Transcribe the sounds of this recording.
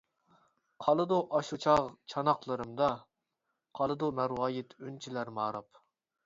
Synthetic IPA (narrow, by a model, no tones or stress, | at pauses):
qʰɑlˠɨd̪uʔɑʃut͡ʃʰɑʁt͡ʃʰɑnɑqlˠɨɾɨmd̪ɑ | qʰɑlˠɨd̪umæɾwɑːjɪt̪ʰynt͡ʃʰilæɾmɑːɾɑp